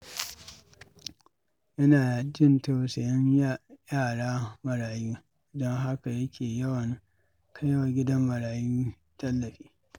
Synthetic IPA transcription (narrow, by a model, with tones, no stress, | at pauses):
ʔɐ˦naː˨d͡ʒɪ˦ntoː˦˨se˨jɪ˦ɲjjaː˦˨ɽaː˦mɐ˨ɽaː˨juː˦˨ | dɔ˦ŋɦa˦ka˨jɐ˦kʲʰeː˨jɐ˦wɐ˨ŋ | kʰɐ˦jɐ˦wa˨ɡʲɪ˦dɐ˦mːɐ˨ɽaː˨juː˦ | tɐ˦lːɐ˨ɸiː˦